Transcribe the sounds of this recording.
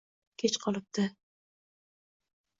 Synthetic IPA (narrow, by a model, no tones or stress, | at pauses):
kʲʰet͡ʃqʰɒlˠɪp̚d̪ɪ